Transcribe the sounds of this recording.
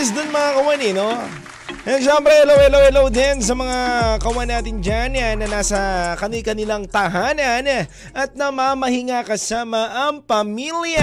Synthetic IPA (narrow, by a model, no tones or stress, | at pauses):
s̬d̪onmɐŋakɐwanɪno | ʔɛnʃɛmbpɾɛʔɛlɐwɛlawɛlawd̪ɛns̬ɐmɐŋakɐwanːaːt̪ɪnd͡ʒanjanːɐnaːsɐkɐnɪlkɐnɪlaŋt̪ɐɦaːnɐn | ʔɐt̪̚nɐmamɐhɪŋakɐsaːmɐʔɐŋpɐmilja